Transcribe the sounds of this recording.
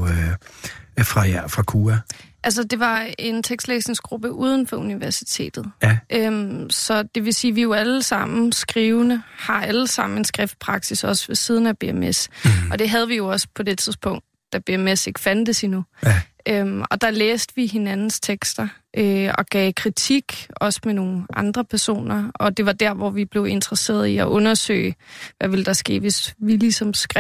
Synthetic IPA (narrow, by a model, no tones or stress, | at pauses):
fʁɑ̈fʁɑ̈kʰuæʔæls̬əd̥e̝ʋɑ̈e̝nt͡sʰeɡ̥sd̥leːsne̝ŋsɡ̥ʁub̥əʔuːð̞ˠn̩fɒ̽uniʋæɐsi̥t͡sʰe̝̰ːd̥ð̞̩ˠʔømsɒ̽d̥e̝ʋe̝siːʋijo̝æləsɑ̈m̰n̩sɡ̥ʁiːʊnəhɑ̈æləsɑ̈m̰n̩e̝nsɡ̥ʁɛfd̥̚pʰʁɑ̈ɡ̥sisɒ̽sʋesið̞ˠn̩æb̥e̝emesʔɒ̽d̥e̝ɦæð̞ˠʋijo̝ɒ̽spʰɒ̽d̥e̝t͡sʰiðˠspʰɔ̽ŋ̰d̥ːæb̥e̝emese̝ɡ̥ə̥fænd̥əsinu | ømɒ̽d̥ɑ̈leːsd̥əʋiɦe̝nænn̩st͡sʰeɡ̥sd̥ɐʔøɒ̽ɡ̥ɛ̰ːkʰʁit͡sʰiɡ̥ɒ̽smeno̝ːn̩ʔɑ̈nd̥ʁɐpʰæɐso̝̰ːnɐɒ̽d̥e̝ʋɑ̈d̥æɐʋɒʋib̥le̝ʊe̝nd̥ʁɐse̝̰ːɐðˠiɒʔɔ̽nɐsø̰ːɪʋæʋe̝ld̥ɑ̈sɡ̥e̝̰ːʋe̝sʋilisɒ̽msɡ̥ʁɛ